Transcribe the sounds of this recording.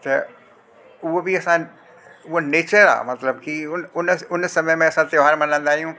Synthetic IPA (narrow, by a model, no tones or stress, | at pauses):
t̪ɐ | ʊɦobiɐsã | ʊɦoneːt͡ɕəɾa̰ːmɐt̪ləbkiʊnʊnʊnsɐməjmẽɐsãt̪joɦaːɾmɐnə̃nd̪aːɦijũ